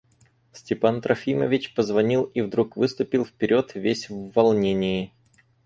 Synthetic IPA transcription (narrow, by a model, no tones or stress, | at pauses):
sʲtʲɪpant̪ɾɐfʲimə̰vʲɪt͡ɕpəzvɐnʲilˠivd̪ɾukvɨst̪ʊpʲɪlˠfpʲɪɾʲo̞t̪vʲesʲvvɐlˠnʲenʲɪjɪ